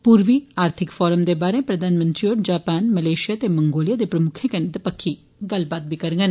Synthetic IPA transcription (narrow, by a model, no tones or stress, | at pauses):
puːɾʋiːaːɾt̪ʰɪkfɔːɾəmd̪ebaːɾẽpɾəd̪ʱaːnmə̃nt̪ɾioːʈ̚d͡ʒaːpaːnmɐleːʃijat̪emɐ̃ŋɡoːljaːd̪epɾəmʊkʰekened̪ɐpəkʰːi | ɡɐlbaːt̪̚bʱikɐɾɡən